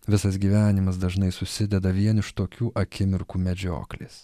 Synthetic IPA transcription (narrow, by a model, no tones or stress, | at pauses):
ʋʲɪsɐs̬ɡʲiːʋʲæːnʲɪmɐsd̪ɐʒnɐɪsʊsʲɪd̪ʲɛd̪ɐʋʲiɛnɪʃt̪oːkʲuːʔɐkʲɪmʲɪɾkuːmʲɛd͡ʒʲo̰ːklʲḛːs